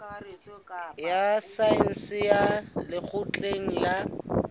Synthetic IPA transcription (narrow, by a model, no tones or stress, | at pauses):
jasaɛn̩sɪjalɪk͡xʰʊt͡ɬʼeŋ̩la